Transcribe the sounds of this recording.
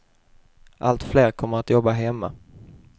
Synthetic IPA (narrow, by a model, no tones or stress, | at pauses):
ʔalt̪fleːɾkʰɔmːəɾat̪jɔbːaɦɛmːa